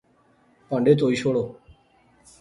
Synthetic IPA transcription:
pɔ̃ɳɖet̪ojʃoɽo

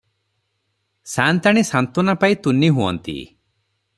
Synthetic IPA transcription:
sant̪aɽ̃isant̪ɔnapajt̪uniɦuɔ̰nt̪ḭ

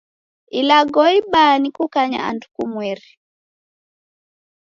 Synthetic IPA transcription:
ilaɡɔiɓanikukaɲa̰a̰ndukumwɛɾi

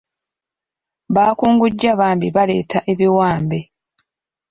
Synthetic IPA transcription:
βaːkuːŋɡuɟːaβaːmbiβale̞ːtaʔe̞βiwaːmbe

